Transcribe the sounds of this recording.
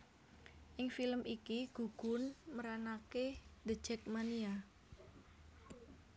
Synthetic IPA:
ʔɪŋfiləmʔikiɡ̥uɡ̥ʊ̤nməɾanakedə̥d͡ʒ̥ɛk̚mania

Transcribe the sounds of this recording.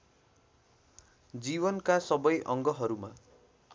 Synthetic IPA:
d͡ziβʌnkasʌbʌjʔʌŋɡʌɦʌɾuma

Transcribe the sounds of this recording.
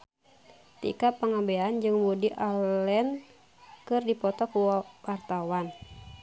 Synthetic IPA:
t̪ḭkapəŋabɛand͡ʒɨŋbudiʔalɛn | kɨrdipɔt̪ɔkuwart̪awan

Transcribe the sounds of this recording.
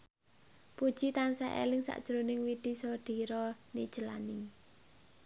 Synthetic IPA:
pud̥ʒ̥it̪ansaʔḛlɪŋsa̰ʔd̥ʒ̥ɾonɪŋwid̪̥i̤sɔd̪̥i̤ɾɔnḭd̥ʒ̥əla̰ni

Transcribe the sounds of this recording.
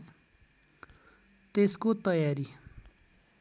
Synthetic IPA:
t̪eskot̪ʌjaɾi

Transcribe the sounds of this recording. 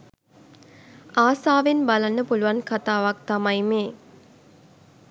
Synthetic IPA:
aːsaːʋenbalɐnːəpuluʋɐnkat̪aːʋɐk̚t̪amɐjmeː

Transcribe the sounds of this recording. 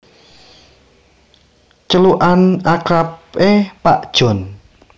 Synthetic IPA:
t͡ʃəluʔanakɾapepaʔd̥ʒ̥ɔ̤n

